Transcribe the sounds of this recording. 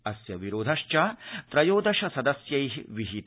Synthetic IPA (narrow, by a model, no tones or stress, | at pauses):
ɐsjɐʋiɾoːd̪ʱɐʃt͡ʃaːt̪ɾɐjoːd̪ʱɐʃɐsɐd̪ɐsjɐjɦiʋiɦit̪